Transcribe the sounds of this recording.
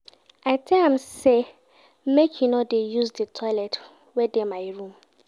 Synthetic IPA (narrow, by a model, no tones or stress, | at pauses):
ʔaɪtʰɛãmse | mekʰjunodejuzdətʰɔɪlɛt | wɛdemaɪɹũm